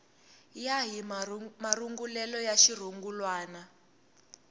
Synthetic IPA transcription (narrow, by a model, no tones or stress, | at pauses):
jaɦimaruŋɡulɛlɔjaʃir̤uŋɡulwaːna